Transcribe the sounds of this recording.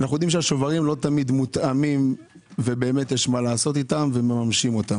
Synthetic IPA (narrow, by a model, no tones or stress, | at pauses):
anaχujd̪imʃeaʃovaʁimlo̞t̪amid̪mut̪amim | ve̞be̞ːme̞t̪jeʃmalaːso̞t̪it̪amve̞me̞mamʃimo̞t̪am